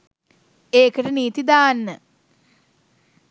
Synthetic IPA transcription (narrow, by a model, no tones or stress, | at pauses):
eːkəʈəniːt̪id̪aːnːə